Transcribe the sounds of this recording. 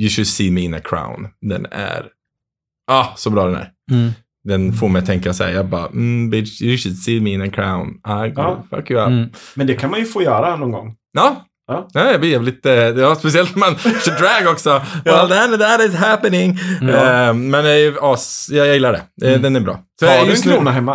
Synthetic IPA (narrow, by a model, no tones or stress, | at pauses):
jʉʃʊd̪siːmiɪ̃nə̰kʰɹa̰ʊnd̪ɛ̰næ̰ɾ | ʔɑsɔbɾɑːd̪ɛnæ̰ɾ | d̪ɛnfoːɾmɛjt̪ʰɛŋkasæ̰jɑːbɑ̰ːm̩bɪjəʃʊd̪siːmiɪ̃nəkʰɹa̰ʊnʔaɪɡfʌ̰kjʉamɛnd̪ɛkʰanmanjɵfoːjœːɾanɔnɡɔ̰ŋː | ɑː | nɛjɑb̪ɪjɛvɛlɪt̪əjɑːspɛs̬ɪɛlt̪mansədɾæɡɔksɔwɛld̪nd̪æɾɪsɦæpənɪŋ | mɛnɑːsjɑjɑjɪlːaɖɛ̰ɛd̪ɛnɛbɾɑ̰ːsɔakʰluːnaɦɛmːa